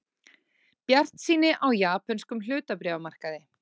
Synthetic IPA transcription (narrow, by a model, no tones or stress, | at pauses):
pjar̥t̪siːnɪʔawjaːpanskʏml̥ʏːt̪apɾɛːvamar̥kaðɪ